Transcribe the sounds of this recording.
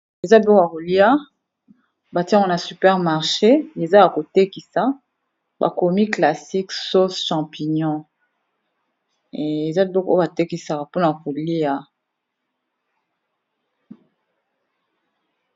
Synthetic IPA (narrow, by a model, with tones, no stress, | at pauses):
e˨za˦bɔ˦ka˨ko˨li˦a˦ | ba˨tĩ˦ka˨na˨sy˨pɛ˦ʁma˨ʁʃe˦e˨za˦ja˨ko˨te˦ki˨sa˨ | ba̰˨ko˨mi˦kla˨si˦kso˦sʃɑ̃˨pi˨ɲɔ̃˦˨ | e˨za˦˨bɔ˦ko˦ba˨te˦ki˨sa˨ka˨po˦na˨ja˨ko˨li˦a˨